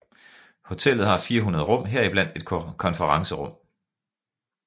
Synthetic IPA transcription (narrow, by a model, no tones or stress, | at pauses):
ho̝t͡sʰel̰ð̩ˠhɑ̈fiːɐɦunɐð̞ˠʁɔ̽m̰ɦeɐ̰ib̥læn̰d̥e̝d̥̚ʰkʰɒ̽nfəʁɑ̈ŋsəʁɔ̽m̰